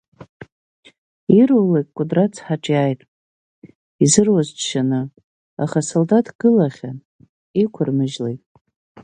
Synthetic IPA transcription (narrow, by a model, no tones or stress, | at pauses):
irowlejkʼkʷʼʊdrat͡sʰħaʈ͡ʂʼjajtʼ | izɨrwazt͡ʃʃanɨ | a̰χasoldatʰʼɡ̥ɨlaχʲa | ikʷʰʊrmɨʒlejtʼ